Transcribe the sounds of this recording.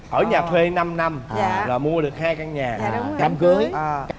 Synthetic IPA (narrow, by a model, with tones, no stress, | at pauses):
ʔəː˧˩ɲaː˨˩t̪ʰwe˧na˧mna˧mɲː˧laː˨˩mu˧əɗɨ˨˩ək̚haː˧jkaː˧ŋɲaː˨˩˨ʊ˧˦ka˧mkɨ˨˦əj